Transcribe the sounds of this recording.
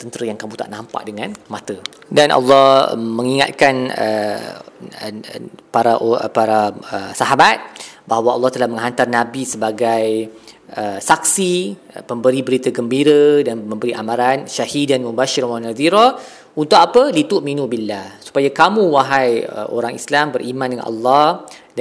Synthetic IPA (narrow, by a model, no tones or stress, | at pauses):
t̪ənt̪əɾəjaŋkamũt̪a̰ʔnãmpa̰ʔdəŋanmãt̪ə | danʔɑ̰lːɔhməŋiŋa̰t̪̚kanə̰ | paɾaʔpaɾaəsaɦabat̪̚baɦwaʔɑlːɑht̪alahmə̃ŋɦant̪arnabisəbaɡajʔəsak̚si | pəmbəɾibəɾit̪aɡəmbiɾədanməmbəɾiʔa̰mãɾanʃahidanmubaʃiɾwanaðiɾɔ | unt̪ʊʔapəlit̪uʔminũbilːahsu̥pajakamũwaɦajə̰ʔo̰ɾaŋḭslambəɾʔimãndəŋa̰nʔɑ̰lːɑh